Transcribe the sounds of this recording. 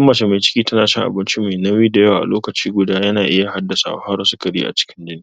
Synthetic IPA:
ɐ˦mːɐ˨t͡ʃe˨ma˨jt͡ʃɪ̥˦kʲiː˦tɐ˦naː˨ʃɪ˦ŋʔa̰˨bɪ˦nt͡ʃi˦ma˨jnɐ˦wiː˦da˨jɐ˦waː˨ʔa̰˨loː˦kɐ˨t͡ʃiː˦ɡʷʊ˦daː˦jɐ˦naː˨ʔɪ˦ja˨ɦa˦dːɐ˨sa̰˨wa˦ha˦ɾwa˨˦su˦kɐ˨ɾḭː˦ʔa̰˨t͡ʃɪ̥˦kʲɪ˦nd͡ʒɪ˦niː˦

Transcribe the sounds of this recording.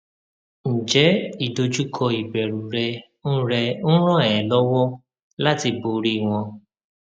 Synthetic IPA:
n̩˨d͡ʒɛ˨˦i˦˨do˧d͡ʒu˦kʰɔ˧i˨bɛ˨ɾu˨ɾɛ˧ | n̩˦ɾɛ˧n̩˦ɾ̃ɔ̃˦˨ɛ˨ɛ̃˨lɔ˦wɔ˦ | la˦ti˧bo˨˧ɾi˦˨w̃ɔ̃˧

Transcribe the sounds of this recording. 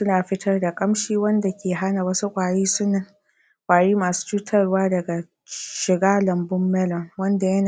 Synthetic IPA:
sʊ˦naː˨ɸɪ˦tʰɐ˦rda˨kʼɐ˦mʃiː˦wɐ˦nda˨kʲeː˨ɦa˦na˨wɐ˦su˦kʷʼaː˨ɽiː˦sʊ˦nːɐ˨ŋ | kʷʼaː˨ɽiː˦maː˨su̥ː˦t͡ʃuː˦tʰɐ˦rwaː˦dɐ˨ɡa˨ | ʃɪ˨ɡaː˦lɐ˨mbʊ˦mːɛ˦lɔ˨ŋwɐ˦nda˨jɐ˦na˨

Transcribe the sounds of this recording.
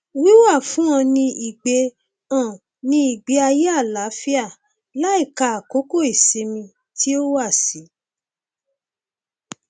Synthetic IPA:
wi˦wa˦˨fũ˨˦ã˧nĩ˧i˨ɡ͡be˧ | ã˦˨ | nĩ˧˦i˨ɡ͡be˧˦a˧je˦a˦˨la˨˦fi˦a˦˨ | la˦i˦˨ka˧˨a˨ko˨˦ko˦˨i˨se˧mĩ˧ | ti˦o˦wa˦˨si˨˦

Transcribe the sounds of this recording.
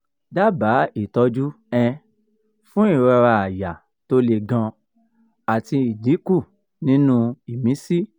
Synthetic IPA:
da˦ba˨˦i˦˨tɔ˧˦d͡ʒu˦ | ɛ̃˧ | fũ˦i˦˨ɾɛ˧ɾa˧a˨ja˨ | to˧le˨ɡã˧ | a˨ti˧i˨di˨˦ku˦˨ | nĩ˦nũ˦i˨mĩ˨˦si˦

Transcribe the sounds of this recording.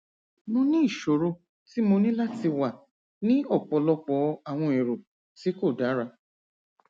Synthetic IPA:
mõ˧nĩ˦i˦˨ʃo˨ɾo˧ | ti˨˦mo˧nĩ˦la˦ti˧wa˨ | nĩ˦ɔ˦˨k͡pɔ˨˦lɔ˧k͡pɔ˨˦a˨w̃ɔ̃˧e˨ɾo˨ | ti˨˦ko˦˨da˨˦ɾa˧

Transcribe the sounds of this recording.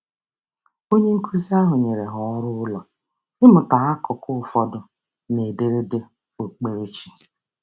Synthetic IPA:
o˦ɲe˦ŋ̩˦kʰu˦zi˦a˦ɦʊ˨ɲe˨ɾe˨ɦɔ˨˦ɾʊ˦ʊ˦lɔ˨ | ɪ˦mʊ˨ta˨a˦kɔ˨kʰʊ˦˨fɔ˦dʊ˨ | ne˨de˦ɾe˦de˦ | o˨k͡pe˨ɾe˦t͡ʃi˨

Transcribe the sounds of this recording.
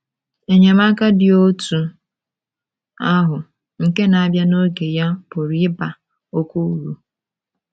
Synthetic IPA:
e˨ɲe˨ma˦ka˦dɪ˨o˦tu˨ | a˦ɦʊ˨ | ŋ̩˨ke˦na˨a˦bja˦no˦ɡe˨ja˦pʊ˨ɾi˦ɪ˦ba˨ | o˦kʷo˦ɾu˨

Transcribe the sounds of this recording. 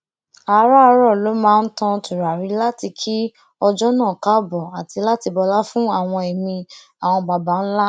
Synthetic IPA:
a˧˦ɾa˦˧ɾɔ˦˨lo˨˦mãː˦˧n̩˦tã˧tʰu˨ɾa˨ɾi˨˦la˦ti˧kʰi˦ | ɔ˧d͡ʒɔ˦nãː˦˨ka˦˨bɔ˨a˨tʰi˧la˦ti˧bɔ˧la˦fũ˦a˦˨w̃ɔ̃˧e˨mĩ˧ | a˨w̃ɔ̃˧ɡ͡ba˨ba˨˦n̩˦la˦

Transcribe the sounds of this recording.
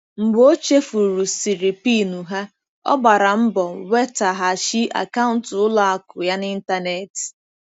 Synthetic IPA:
m̩˨ɡ͡bo˦t͡ʃe˦fu˨ɾu˨si˨ɾi˨pi˦nu˨ɦa˦ | ɔ̰˦ɡ͡ba˨ɾa˨m̩˦bɔ˨we˦ta˨ɦa˨ʃi˦a̰˨ka˦ʊ̃˨n˨tʊ˦la˨a˦kʊ˨ja˦nɪ˦n̩˦ta˦ne˨t

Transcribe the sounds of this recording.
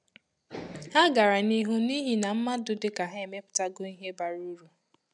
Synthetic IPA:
ha˦ɡa˨ɾa˨ni˦ɦu˦ni˦ɦi˦na˨m̩˦ma˦dʊ˨dɪ˦ka˨ɦa˦e˨me˦pʊ̥˨ta˦ɡo˦i˦ɦe˦ba˨ɾu˦ɾu˦

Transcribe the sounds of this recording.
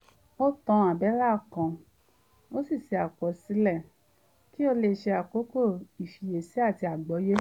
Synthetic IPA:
o˦tɔ̃˧a˨bɛ˨˦la˦˨kã˨ | o˦si˦˨ʃe˨˧a˨kɔ˨˦si˨˦lɛ˦˨ | ki˦o˧le˧ʃe˧a˨ko˨˦ko˦˨i˨fi˨je˨si˨˦a˦˨ti˧a˨ɡ͡bɔ˨˦je˦

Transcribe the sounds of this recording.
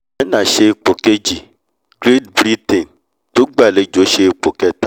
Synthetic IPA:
ɛ˦nã˦˨ʃe˧i˨k͡po˨ke˦d͡ʒi˨ | ɡ̥ɾe˦t̚bɾi˦tẽ˨n | to˦ɡ͡ba˦˨le˨˦d͡ʒo˨˦ʃe˧i˨k͡po˨kɛ˦ta˦

